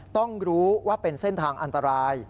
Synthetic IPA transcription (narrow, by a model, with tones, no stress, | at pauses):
t̪ɔ˥˩ŋɾuː˦˥waː˥˩pe˧nse˥˩nt̪ʰaː˧ŋʔa˧nt̪a˧ɾaː˧˥j